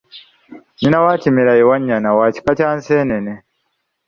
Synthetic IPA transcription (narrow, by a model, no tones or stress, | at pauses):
ɲinawaːcimiɾajewaɲːanawaci̥kacaːnseːnene